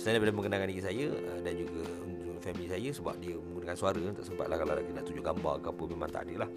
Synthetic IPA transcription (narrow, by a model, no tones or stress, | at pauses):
sanabelaməŋkənakaniɡisajəədand͡ʒuɡə | unufɛmilisajəsəba̰p̚diəmə̃ŋɡunəkansuaɾənt̪aʔsəmpa̰t̪̚lahkalaɾaʔk̪idaʔt̪ud͡ʒʊɡamba̰rkapəmemãnt̪a̰ʔadəlah